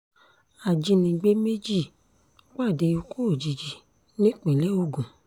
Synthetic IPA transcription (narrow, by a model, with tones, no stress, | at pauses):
a˨d͡ʒi˧nĩ˧ɡ͡be˨˦me˦d͡ʒi˦˨ | k͡pa˦˨de˧o˧ko˦˨d͡ʒi˨d͡ʒi˨ | nĩ˦k͡pẽ˨lɛ˨˦o˦˨ɡũ˨